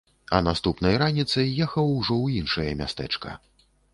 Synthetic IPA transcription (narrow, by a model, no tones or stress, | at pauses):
ɐ̰nast̪upnɐjɾanʲit̪sɐjːɛxɐwʐɔwjinʂɐjɐmʲa̰st̪ɛ̰t͡ʂkɐ̰